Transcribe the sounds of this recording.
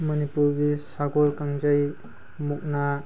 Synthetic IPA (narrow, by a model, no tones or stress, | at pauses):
mənipuɾɡisaɡɔɾkaŋd͡ʒəj | muk̚na